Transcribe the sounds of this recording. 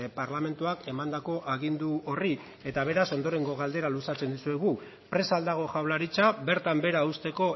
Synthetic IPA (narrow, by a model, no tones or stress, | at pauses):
paɾlame̞nt̪uake̞mand̪ako̞ʔaɣind̪uori | e̞t̪aβ̞e̞ɾaso̞nd̪o̞ɾe̞ŋɡo̞ɣ̞ald̪e̞ɾalusat͡se̞nd̪usue̞ɣ̞u | pɾe̞sald̪aɣ̞o̞ʝawlaɾit͡sabe̞ɾt̪ambe̞ɾaust̪e̞ko̞